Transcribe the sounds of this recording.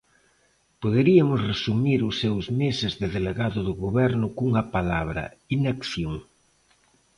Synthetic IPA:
poðeɾiamʊsresumiɾʊsːewzmesɪzðɪðeleɣaðʊðʊɣoβɛɾnʊkuŋɐpalaβ̞ɾɐ̰inekθjoŋ

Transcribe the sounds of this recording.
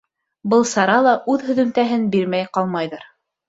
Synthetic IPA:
bɤlˠsɑɾɑlˠɑʔʉðhɵ̆ðɵ̆mt̪æɦɘnbiɾmæjqɑlˠmɑjðɤɾ

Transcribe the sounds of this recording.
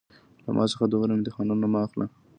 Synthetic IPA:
la̰mʔɑ̰səxad̪oɣɾemd̪əxɑnunːamɑxla

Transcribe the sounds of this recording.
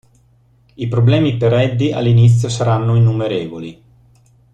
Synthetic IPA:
ipɾoblɛːmipeɾɛd̪ːia̰lːinit̪sːjosaɾanːoinːumeɾeːvoli

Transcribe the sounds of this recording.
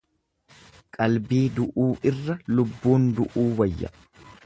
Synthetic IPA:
kʼɐlbiːd̪ʊʔuːʔɪrːɐlʊbːuːnd̪ʊʔuːwɐjːɐ̰

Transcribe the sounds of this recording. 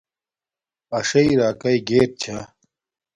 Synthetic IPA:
ɐʂɐiɾaːkɐiɡeːʈ̚t͡ɕʰa

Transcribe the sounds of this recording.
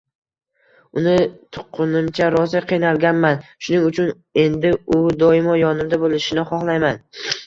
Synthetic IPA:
ʊnɪt̪ʰʊ̥qʰːʊnɪmt͡ʃʰaɾɒzɪqʰɨjnalɡʲanmanʃʊnɪŋʊt͡ʃʰʊn | e̞nd̪ɪʊd̪ɒɪmɒjɒnɪmd̪abolɪʃɪnɪχɒχlˠajman

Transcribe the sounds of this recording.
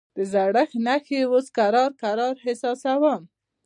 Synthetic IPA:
d̪̥əzaɽaxnaxewoskaɾɑɾkaɾɑɾɦɪsɑsawam

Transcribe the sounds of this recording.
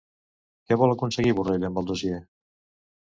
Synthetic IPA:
kɛβɔləkunsəɣiβurejləmbəlˠd̪osie

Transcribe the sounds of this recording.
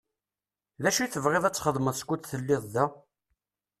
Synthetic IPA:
ðæʃijθəvʁeðˤæt͡sːχəðˤməðˤskʷːut͡s̪θəlːɪðˤðæ

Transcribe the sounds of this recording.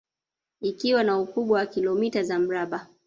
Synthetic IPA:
ikiwanaukuɓwawakilɔmitazam̩ɾaɓa

